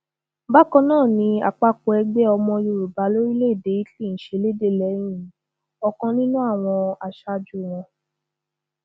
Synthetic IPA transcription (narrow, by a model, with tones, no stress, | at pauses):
ba˦kɔ̃˧nãː˦˨nĩ˧a̰˨k͡pa˧ko˨˦ɛ˧ɡ͡be˦ɔ˧mɔ̃˧jo˧˨ɾu˨ba˨˦lo˦ɾi˦le˦˨de˨˦i˦ti˦˨n̩˨ʃe˨˧le˦de˦˨lɛ˨˦j̃ĩ˦˨ | ɔ˧kɔ̃˧nĩ˦nũ˦a˦˨w̃ɔ̃˧a˨ʃa˧d͡ʒu˦˨w̃ɔ̃˧